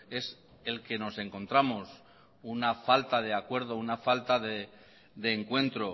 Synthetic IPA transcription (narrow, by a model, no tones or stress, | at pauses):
e̞s | e̞lke̞no̞se̞ŋko̞nt̪ɾamos | unafalt̪að̞e̞akwe̞ɾð̞o̞unafalt̪aðe | ðe̞ːŋkwe̞nt̪ɾo̞